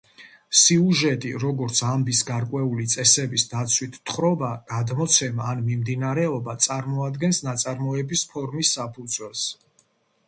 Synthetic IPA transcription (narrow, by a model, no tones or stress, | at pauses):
siuʒɛt̪ʼiɾɔɡɔɾt̪sʰambisɡaɾkʼwɛulit̪sʼɛsɛbisd̪at̪sʰwit̪ʰːχɾɔbaɡ̥ad̪mɔt̪sʰɛmaːnmimd̪inaɾɛɔbat̪sʼaɾmɔad̪ɡɛnsnat̪sʼaɾmɔɛbispʰɔɾmisːapʰud̪zwɛlˠs